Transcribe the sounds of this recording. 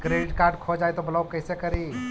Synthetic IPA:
kɾeːɖɪʈkaːɾɖ̚kʰod͡ʒaːet̪obɐlawkɐɪsekɐɾiː

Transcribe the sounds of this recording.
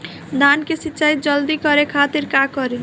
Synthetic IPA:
d̪ankesit̪ːt͡ʃajt̪̚d͡ʒʌld̪ikʌɾekʰat̪iɾkakʌɾi

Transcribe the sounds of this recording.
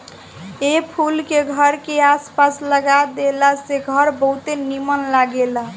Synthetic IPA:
epʰulkeɡʱəɾkeaspasləɡad̪elaseɡʱəɾbəɦut̪enimənlaɡela

